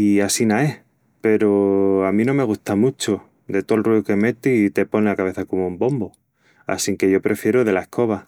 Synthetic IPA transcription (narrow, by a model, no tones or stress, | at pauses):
iasinae | pe̞ɾoamĩnõ̞me̞ɣ̞uht̪amut͡ʃo | d̪e̞t̪olruoke̞me̞t̪iit̪e̞po̞neakaβ̞e̞θako̞moumbo̞mbo | a̰siŋke̞ʝo̞pɾe̞fje̞ɾoðelaehkʰo̞β̞a